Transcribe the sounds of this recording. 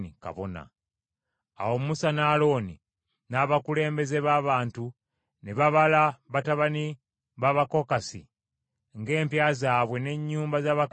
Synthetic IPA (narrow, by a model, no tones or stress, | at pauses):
nika̰βo̞̰na̰ | a̰wo̞musanaːlo̞ni | naβakule̞ːmbe̞ze̞βaβaːntu | neβaβalaβataβani | βaβako̞kasḭ | ŋɡe̞ːmpjaːzaːβwe̞ne̞ɲːuːmbazaːβa